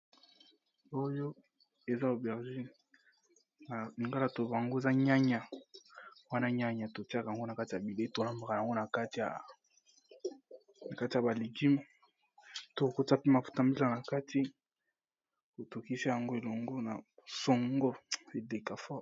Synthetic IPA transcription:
o˦jo˦ | e˨za˦o˨bɛ˨ʁʒi˦n˨ | na˨ni˨ŋɡa˦la˦to˨ba˨a˨ŋɡo˦e˨za˦ɲa˦ɲa˨ | wa˦na˦ɲa˦ɲa˨to˨ta˦kja˨ŋɡo˦na˨ka˦ti˨ja˨bi˨le˦i˦to˨la˦mba˨ka˨a˨ŋɡo˦na˨ka˦ti˨ja̰˨ | na˨ka˦ti˨ja˨ba˨li˨ɡi˦ma˨ | to˦˨ko˦ta˦pi˦ma˨fu̥˦ta˨˦mbi˦la˨na˨ka˦tʰi˦ | ko˨to˨ki˦si˦ja˨ŋɡo˦e˨lo˨ŋɡo˦na̰˨so˨ŋɡo˦e˨de˨ka˨fɔ˦

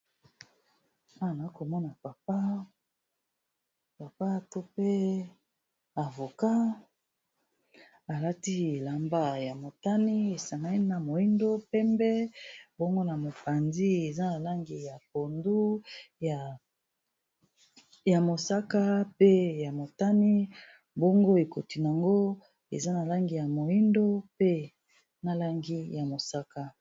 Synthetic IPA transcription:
a˦a˨na˨˦ko˨mɔ˦na˨pa˨p̚a˦ | pa˨pa˦to˦pe˦ | a˨vo˨ka˦ | a˨la˦ti˦e˨la˨mba˦ja˨mo˨ta˦ni˦e˨sa˨ŋɡa˦i˦na˨mo˨i˦ndo˦pɛ˦mbɛ˦bɔ˦ŋɡo˦na˨mo˨pa˨nzi˦e˨za˦na˨la˦ŋɡi˨ja˨p̚o˨ndu˦˨ | ja˨mo˨sa˦ka˦pe˦ja˨mo˨ta˦ni˦ | bo˦ŋɡo˦e˨ko˨ti˨n˨a˨ŋɡo˦ | ḛ˨za˦na˨la˦ŋɡi˨ja˨mo˨i˦ndo˦pe˦ | na˦la˦ŋɡi˦ja˨mo˨sa˦ka˦

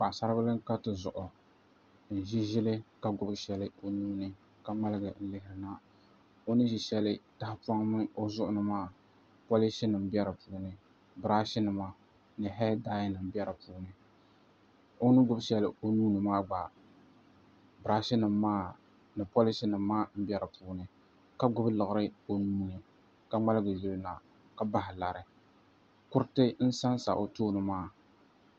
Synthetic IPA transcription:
k͡pa˨ʔsa˦ɾɨ˦ba˦lɨ˦ŋka˦tɨ˦zʊ̰˨ʔʊ˨ | n̩˨ʒi˦ʒɪ˦lɨ˦ka˦ɡʊ˦bʃɛ˨lɨ˦o˦nuː˦nɨ˨ | ka˦ŋ͡ma˦lɨ˦ɡɨ˨n̩˦lɪ˦hɪ˨ɾɨ˨na˦ | o˦nɨ˦ʒi˨ʃɛ˦lɨ˦da˦hpa˦ŋmɨ˦o˦zʊ˦ʔʊ˦nɨ˦maː˦˨ | po˦li˦si˦nɨ˨m˦bɛ˦ɾɨ˨puː˦nɨ˦ | bɾa˦ʃi˦nɨ˨ma˨ | nɨ˨ɦɛ˦daː˦jɪ˦nɨ˨m˦bi˦ɛ˦ɾɨ˨puː˦nɨ˦ | o˦nɨ˦ɡʊ˦bʃɛ˨lɨ˨o˦nuː˦nɨ˨maː˦ɡ͡ba˨ | bɾa˦ʃɪ˦nɨ˨mːaː˦ | nɨ˨po˦lɪ˦si˦nɨ˨mː˦aː˦m̩˦bɛ˦ɾɨ˨pʰuː˦nɨ˦ | ka˦ɡʊ˦blɨ˨ɣɨ˦ɾɨ˦o˦nuː˦nɨ˨ | ka˦ŋ͡ma˦lɨ˦ɡɨ˨ji˦lna˨ | ka˦ba˦ɦɪ˨la˨ɾɪ˨ | kʊ˦ɾtɨ˦n̩˦sa˦nsa̰˨ʔo˨toː˦nɨ˨maː˦˨

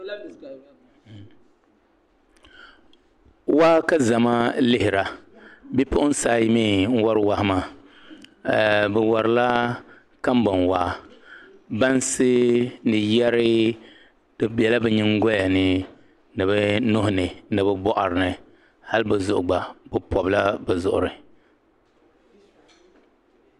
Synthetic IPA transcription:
wa˦ka˦za˨ma˦lɪ˦hɪ˨ɾa˨bi˦pʊ˦ʔʊ˦n̩˦saː˦ji˦miː˦ŋ̩˦wa˦ɾɨ˦wa˦hɪ˦ma˦˨ | bɛ˨wɔ˨ɾɨ˨la˦ | ka˦m˦ba˨nwaː˦ | ba˦nsɨ˦nɨ˨jɛ˦ɾɪ˦ | d̥ɨ˨bɛ˨la˦bɛ˦ɲɪ˦ŋɡɔ˦ja˨nɨ˦ | nɨ˨bɛ˦nʊ˦hʊ˦nɨ˨nɨ˨bɛ˦bɔ˦ʔa̰˨ɾɨ˨nɨ˨ | ha˦lbɨ˨zʊ˨ʔʊ˨ɡ͡ba˨bɨ˨pɔ˨bɨ˨˦la˦bɛ˨zʊ˨ʔʊ̰˨ɾɨ˨

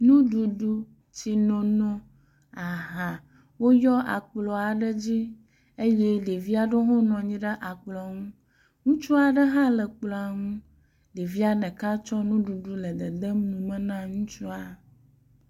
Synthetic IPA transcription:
nũ˦ɖu˨ɖu˦ | t͡ɕi˨nɔ̃˨nɔ̃˦ | a˨ɦã˨ | wo˦jɔ˦ʔa̰˨k͡plɔ˨a˨ɖə˦d͡ʑi˦ | e˦jɛ˦ɖe˨vi˦a˨ɖo˦ɦo˦nɔ̃˨ɲĩ˦ɖə˦ʔa˨k͡plɔ˨a˨ŋũ˦ | ŋũ˦t͡ʃu˦a˨ɖə˦ɦã˦lə˨k͡plɔ˨a˨ŋũ˦ | ɖe˨vi˦a˨nɛ̃˨ka˦t͡ʃɔ˦nũ˦ɖu˨ɖu˦lə˨d̪ə˨d̪ə˦mnũ˨mə̃˦nã˦ŋũ˦t͡ʃu˦a˨

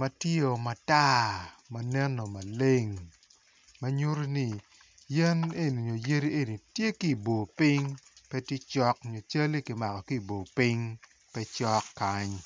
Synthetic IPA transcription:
mɐ˨tjo˨ma˨ta˦ma˨nɛ˦no˨ma˨le˦ŋ | mɐ˦ɲo˦ɾo˦ni˦˨ | jɛ˦ne˦ni˨ɲo˨je˦ɾi˦e˦ni˨tje˦ki˦˨bo˨pɪ˦ŋpɛ˦tje˦t͡ʃɔ˦kɲo˨t͡ʃa˦li˦kɪ˨ma˨kɔ˨ki˦˨bo˨pi˦ŋ | pɛ˦t͡ʃɔ˦kːa˦ɲ

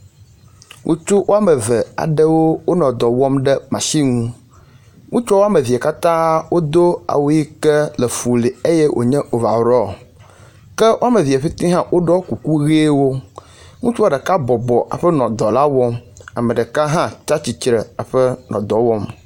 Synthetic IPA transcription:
ŋʔo̰˦t͡ʃu˦wo˦a˦mə˨vɛ˨a̰˨ɖɛ˦wo˦wo˦nɔ̃˨d̪ɔ˨wɔ˦mɖɛ˦mã˨ʃi˦ŋũ˦ | ŋũ˦t͡ʃɔ˦wo˦a˦me˨vi˨a˨ka˦t̪ã˦wo˦d̪o˦a̰˨wo˦ji˦kɛ˦lɛ˨fu˨li˨e˦jɛ˦ʔo̰˨ɲɛ̃˦ʔo˨va˨ɾɔ˦˨ | kɛ˦wʔo˦a˦me˨vi˨a˨ɸi˦t̪ĩ˦ɦã˦wʔo˦ɖɔ˦ku˨ku˦ɣe˦wo˦ | ŋũ˦t͡ʃu˦a˦ɖɛ˨ka˦bɔ˨bɔ˨ʔa̰˨ɸɛ˦nɔ̃˨d̪ɔ˨la˦wɔ˦ma˨mə̃˨ɖɛ˨ka˦ɦã˦t͡ʃa˦t͡ɕi˨t͡ɕɾɛ˨a˨ɸɛ˦nɔ̰̃˨d̪ɔ˨wɔ˦m

